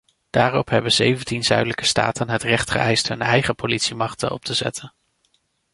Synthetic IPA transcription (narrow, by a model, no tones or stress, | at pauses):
d̥aːrɔpɦɛbəzejvəntinzœ̰ɥdələkə̥sta̰ːtənɦətrɛχtχə̰ʔɛjstɦɵnɛjχəpolitsimɑχtə̰nɔ̰p̚təzɛ̰tʰən